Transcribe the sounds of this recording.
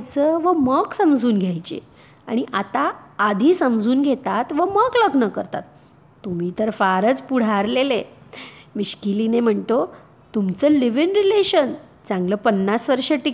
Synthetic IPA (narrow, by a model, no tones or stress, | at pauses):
t͡səʋəməɡsəmd͡zʱuːnɡʱjajt͡ɕḛ | a̰ɽ̃iʔat̪aːd̪ʱiːsəmd͡zʱuːnɡʱet̪at̪ʋəməɡləɡnəkəɾt̪a̰t̪ː | um̤iːt̪əɾfaɾət͡spuɽ̤aɾlele | miɕkilinem̤əɳt̪o | t̪umt͡səːliʋinɾileɕən | d͡zãŋɡləːpənːasʋəɾʂəʈik